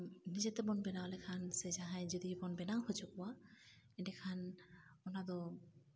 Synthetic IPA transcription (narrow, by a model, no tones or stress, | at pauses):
nid͡ʑet̪ebɔnbenaɦolekʰansed͡ʒaɦajd͡ʒod̪ibɔnbenaɦot͡ʃʰokuwa | enekʰanɔnad̪ɔ